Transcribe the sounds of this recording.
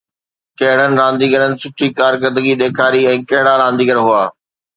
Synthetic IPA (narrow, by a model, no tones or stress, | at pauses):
kɐɦɪɽ̤ənɪ̆ɾãːnd̪iːɡəɾənɪ̆sʊʈʰikaːɾkəɾd̪əɡiɗ̪eːkʰaːɾiɛ̃ːkɐɦɪɽaɾãːnd̪iːɡəɾɦʊaː